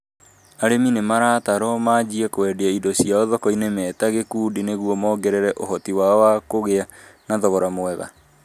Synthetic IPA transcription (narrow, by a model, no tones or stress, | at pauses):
aɾeminemaɾataɾɔmad͡ʑiɛkwɛdeaidɔɕiaɔðɔkɔinemɛːtaɣekuːdineɣuɔmɔːɡɛɾɛɾɛʔoɦɔtiwawakoɣeanaðɔɣɔɾamoɛɣa̰